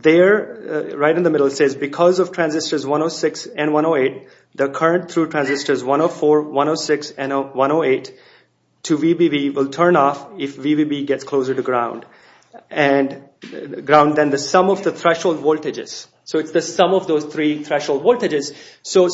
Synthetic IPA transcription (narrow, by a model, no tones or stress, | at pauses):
ðəɹɹaɪɾ̃nðəmɪɾəl̩ˠsezbɪkʰɔzɔv̥ʈʰɹ̥æ̃nzɪstə˞zwʌ̃ñoʊsɪksɛ̃nwʌ̃ñoʊeɪt̚ | d̪əkʰʌɹə̃nʈ̚t̪ʰɹuʈʰɹæ̃nzɪstə˞zwʌ̃ñoʊfɔːɹwʌ̃noʊsɪksɨ̃nwʌ̃ñoʊeɪtʰː | uʋibibiwɪlˠtʰə̃˞nɔfɪfʋibiːbiɡɛtskʰl̥oʊzə˞ʈɨɡɹãʊ̃nɖ | ɛ̃n | ɡɾãʊ̃nɖ̚d̪ɛ̃nd̪əsʌ̃mɔvd̪ət̪ʰɹɛʃholdʋɔltɪd͡ʒɪ̰z̥ | soːɪtsd̪əsʌ̃mɔvd̪oːz̥t̪ʰɾit̪ʰɹɛʃhoːldʋɔltɨd͡ʒɪz̥soː